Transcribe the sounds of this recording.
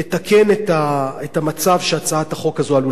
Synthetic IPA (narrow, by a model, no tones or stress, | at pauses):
et̪akʰe̞net̪aet̪amat͡savʃeat͡saat̪haχo̞kazoalu